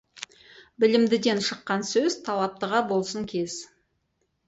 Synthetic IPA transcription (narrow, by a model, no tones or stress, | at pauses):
bɪlɪmd̪ɪd̪e̞nʃəqːɑnsɵzt̪ʰɑlˠɑp̚t̪əʁɑbo̞lˠsəŋkʲʰe̞z̥